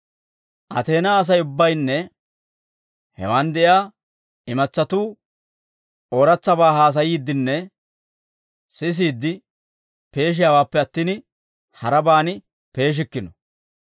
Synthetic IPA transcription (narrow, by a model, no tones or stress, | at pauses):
ʔɐ̰t̪e̞ːnaːs̬ɐjʊbːɐjnːɛ | hɛ̰wɐnd̪ɛʔjaː | ɪmɐt͡sːɐt̪uː | ʔoːɾɐt͡sːɐbaːhaːs̬ɐjiːd̪ːɪnːɛ | sɪs̬iːd̪ːɪ | pe̞ːʃ̬ɪjaːwaːpːɛɐt̪ːiːn | hɐɾɐbaːnɪ | pe̞ːʃ̬ɪkːɪnɔ